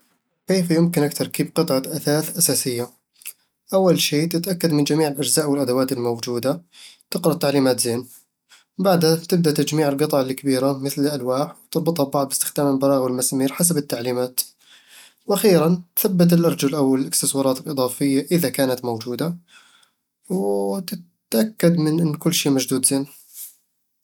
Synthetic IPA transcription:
keːfjʊmkɪnʔakt̪ɑɾˤkiːbqɨt̪ˤʕɑʔaθaːθʔasaːsɪjːa | ʔawːalʃeːt̪ɪt̪ʔakːad̪mɪnd͡ʒamiːʕɪlʔad͡ʒzaːʔwɪlʔad̪awaːt̪ɪlmowd͡ʒuːd̪at̪ɪqɾɑʔt̪aʕliːmaːt̪zeːn | baʕd̪hat̪ɪb̚d̪aʔt̪ad͡ʒmiːʕɪlɡɨt̪ˤɑʕɪlːikabiːɾamɪθlɪʔalwaːħwt̪ɑbɨt̪ˤhabɑʕd̪ˤbɪst̪ɪ̥xd̪aːmɪlbɑɾˤɑːɣwɪlmasamiːɾħas̬abɪt̪ːaʕliːmaːt̪ | wʔaxiːɾanθabːat̪̬ɪlʔɑɾˤd͡ʒalʔawɪlɪst̪ɪswɑːɾˤɑːt̪ɪlʔɨd̪ˤɑːfɪjːaʔɪðakaːnat̪mowd͡ʒuːd̪a | wt̪ɪt̪ʔakːad̪mɪnʔɪnːkʊlːʃiːmad͡ʒd̪uːd̪z̥eːn

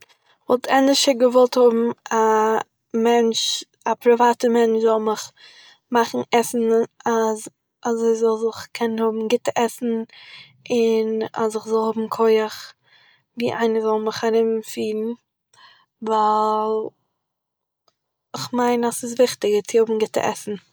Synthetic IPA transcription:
vɔlˠtʰɛndɪʃəɡəvɔlˠthʊbm̩a | mɛnt͡ʃ | apɾɪvaːtəmɛnt͡ʃzɔlˠmɪχ | maχn̩ɛsn̩az | azoɪzɔlˠzɪχkʰɛnnhʊbm̩ɡɪtəʔɛsn̩ | ɪna̰sɪχzɔlˠhʊbm̩kʰɔɪəχ | viːʔaɪnəzɔlˠməχaɾɪmfiːɾn̩ | vaɪlˠ | ɪχmaɪnasɪs̬vɪχtɪɡət͡sɪhʊbm̩ɡɪtə̰ʔɛ̰sn̩

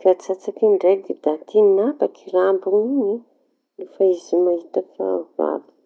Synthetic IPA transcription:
kat͡sat͡sakiɳɖ͡ʐejɡid̪̥at̪imabakʰirambuŋiɲi | lefaizimaɦit̪aka̰va̰bi̥

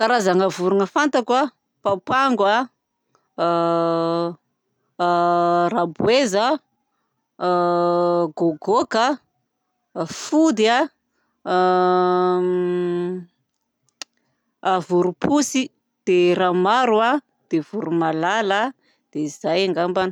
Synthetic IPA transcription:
kaɾazaŋavuɾunəfant̪akwa | papaŋɡwa | rabwezə | ɡoɡokə | fud̪ia | avuɾupʰusi | d̪̥eramaɾua | d̪̥evuɾumalalə | d̪̥eizajaŋɡamban

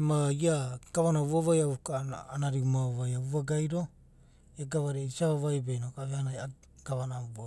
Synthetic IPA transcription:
maiakaβanaβuaβajaukanaɾiumavajauβaɡajɾo̞ | eɡaβaɾeisaβavajbejnokaβeanaja | kaβanaa

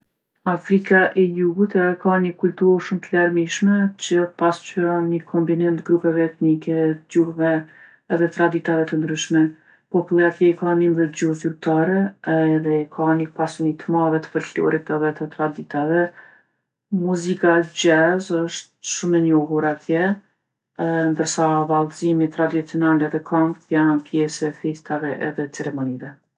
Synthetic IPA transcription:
afɾikaʔɛjuɡut̪ɛðɛkanəkult̪uɾʃumt̪əlaɾmiʃmɛt͡ɕəpast͡ʃyɾɔnɲəkʰɔmbinɛnt̪ɡɾupɛvɛɛt̪nikɛd͡ʑuhvɛ | ɛðɛt̪ɾad̪it̪avɛt̪ənd̪ɾyʃmɛ | pɔpulˠakɛikanimðɛd͡ʑuhzyɾ̚t̪aɾɛðɛkʰanikpasunit̪əmaðɛt̪ə̥pəɾɬɔ̰ɾit̪ɛðɛt̪ət̪ɾad̪it̪avɛ | muzikad͡ʑɛzəʃt̪̚ʃumɛɲɔɦuɾat̪jɛ | nd̪əɾsavalˠzimit̪ɾad̪it͡siɔnalɛðɛkʰamt̪janpjɛsɛfist̪avɛʔɛðɛt͡sɛɾɛmɔnivɛ

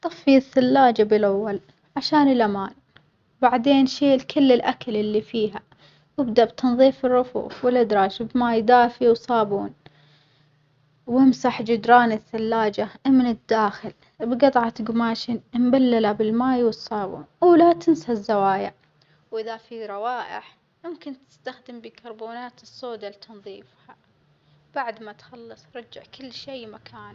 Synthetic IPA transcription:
t̪ˤɨfːiθːalːaːd͡ʒabɪlʔawːal | ʕaʃaːnɪlʔamaːn | baʕd̪eːnʃeːlkʰʊlːɪlʔakalɪlːifiːɦa | wɪbd̪abt̪ɨnðˤiːfɪrːʊfṵːfwɪlːɪd̪ɾˤɑːʃbmaːjd̪aːfiwsˤɑːbuːn | wɪmsaħd͡ʒʊd̪ɾˤɑːnɪθːalːaːd͡ʒamɪnɪd̪ːaːxɪl | bɡɑt̪ˤʕɑt̪ɡʊmaːʃɪnmbalːalabɪlmaːjwɨsˤːɑːbṵːnwlat̪ɪnsazːawaːjɪʕ | wʔɪðafiɾˤɑwaːʔɪ̰ħ | mʊmkɪnt̪ɪ̥st̪axd̪ɪmbikʰɑɾˤbuːnaːt̪ɨsˤːoːd̪alt̪ʰɑnðˤiːfha | b̥aʕd̪mat̪xɑlːɑsˤɾˤɑd͡ʒːɪʕkɪlːʃeːmakʰaːn

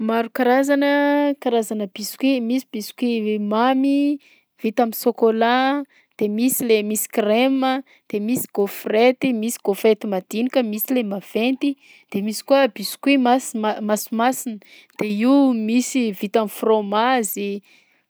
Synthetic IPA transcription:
maɾukaɾazanəkaɾazanəb̥isu̥kwimisibisu̥kimami | v̥it̪amisokola | d̪̥emisilemisi̥kremə | d̪̥emisi̥ɡ̥ofret̪imisi̥ɡ̥ofɾet̪imad̪̥inikəmisilemav̥ent̪i | d̪̥emisi̥kuəbisu̥kimasmasimasinə | d̪̥eiumisivit̪amifromazi

